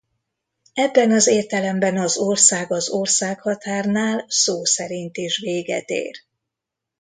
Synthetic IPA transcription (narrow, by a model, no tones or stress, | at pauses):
ɛbːɛnɒzeːrt̪ɛlɛmbɛnɒzorsaːɡɒzo̞rsaːkhɒt̪aːrnaːlsoːsɛɾint̪iʃʋeːɡɛ̰t̪ḛːr